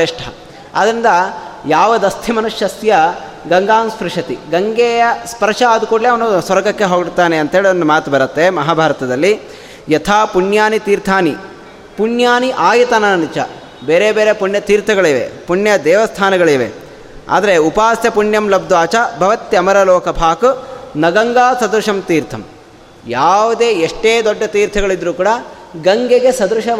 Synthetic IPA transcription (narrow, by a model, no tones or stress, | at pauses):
iʂʈʰɐ | ɐ̰d̪ɐɾind̪ɐjaːʋɐd̪ɐst̪ʰimɐnuʂjɐsjɐ | ɡɐŋɡaːmspɾuʂɐt̪iɡɐŋɡeːjɐspɐɾʂɐaːd̪ukoleɐʋɐnusʋɐɾɡɐkːeɦoːɡiɽt̪ːaːneɐnt̪ɐɦeːɭiond̪umaːt̪ubɐɾɐt̪ːemɐɦaːbʱaːɾɐt̪ɐd̪ɐlːi | jɐt̪ʰaːpuɳjaːnit̪iːɾt̪ʰaːni | puɳjaːniʔaːjit̪ɐnaːɐnit͡ʃɐ̰ | beːɾebeːɾepuɳjɐt̪iːɾt̪ʰɐɡɐɭiʋḛpuɳjɐd̪ɛːʋɐst̪ʰaːnɐɡɐɭiʋḛ | a̰ːd̪ɐɾeupaːsjɐpuɳjɐmlɐb̚d̪ʋaːt͡ʃɐbʱɐʋɐt̪ːjɐmɐɾɐloːkʰɐbʱaːkunɐɡɐŋɡaːsɐd̪ɾuʂɐmt̪iːɾt̪ʰɐm | jaːʋud̪eːeʂʈeːd̪ɔɖːɐt̪iːɾt̪ʰɐɡɐɭid̪ɾuːkuːɽɐ | ɡɐŋɡeɡe̞sɐd̪ɾuʃɐ